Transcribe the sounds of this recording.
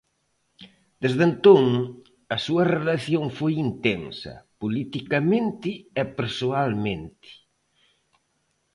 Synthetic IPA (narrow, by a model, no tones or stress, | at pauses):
d̪̥ezðent̪oŋ | ɐsuɐrelaθjoŋfojint̪ensɐ̰pulit̪ikɐmẽnt̪ɪɛpeɾsoalmẽnt̪ɪ̥